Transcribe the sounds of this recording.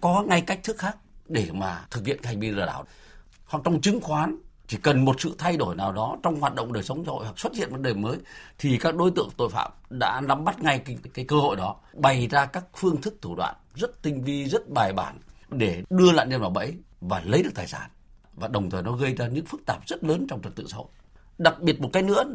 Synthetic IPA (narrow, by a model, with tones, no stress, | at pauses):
kɔ˨˦ŋa˧jka˦˥k̚t̪ʰɨ˦˥k̚xaː˦˥k̚ɗe˧˩maː˨˩t̪ʰɨ˨˩k̚hḭ˧˨ənka˦˥hŋ̟vi˧ləː˨˩ɗaː˧˩w | hwa˨˩k̚t͡ɕɔ˧wŋ͡mt͡ɕɨ˨˦ŋxwaː˨˦nt͡ɕi˧˩kə˨˩nmo˨˩t̚sɨ̰˧˨t̪ʰa˧jɗo˧˩jnaː˨˩wɗɔ˨˦t͡ɕɔ˧wŋ͡mhwaː˨˩t̚ɗo̰˧˨ŋ͡mɗəː˨˩jsə˨˦wŋ͡mza˧ho̰˧˨jwa˨˩k̚swə˦˥t̚hḭ˧˨nvəː˨˧˩nɗe˨˩məː˨˦jt̪ʰi˨˩kaː˦˥k̚ɗo˨˦jt̪ɨ̰˧˨əŋt̪o̰˧˨jfa̰ː˧˨mɗa̰ː˧˥la˨˦mɓa˦˥t̚ŋa˧jkkaː˨˦jkəː˧ho̰˧˨jɗɔ˨˦ | ɓa˨˩jzaː˧kaː˦˥k̚fɨ˧əŋt̪ʰɨ˦˥k̚t̪ʰu˧˩ɗwa̰ː˧˨nzə˦˥t̚t̪ï˧ŋ̟vi˧zə˦˥t̚ɓaː˨˩jɓa̰ː˧˩nɗe˧˩ɗɨ˧əla̰ː˧˨nɲə˧nvaː˨˩wɓə̰˧˥j | vaː˨˩lə˨˦jɗɨ˨˩k̚t̪aː˨˩jsaː˧˩nvaː˨˩ɗə˨˩wŋ͡mt̪ʰəː˨˩jnɔ˨˦ɣə˧jzaː˧ɲɨ̰˧˥ŋfɨ˦˥k̚t̪aː˧˨˩p̚zə˦˥t̚ləː˨˦nt͡ɕɔ˧wŋ͡mt͡ɕə˨˩t̪ɨ̰˧˨saː˧ho̰˧˨j | ɗa˨˩k̚ɓi˨˩ət̚mo˨˩kːjnɨ̰˧˥ə